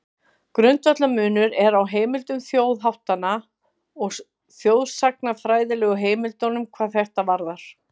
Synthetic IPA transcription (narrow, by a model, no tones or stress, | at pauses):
kɾʏnt̪œt̪lamʏːnʏɾɛɾawɦeːjmɪlt̪ʏmθjoːwðɦawht̪ana | ɔɣ | θjoːwðsak̚nafɾaːjðɪlɛːɣʏɦeːjmɪlt̪ownʏmkʰvaːðθɛht̪avaɾðaɾ̥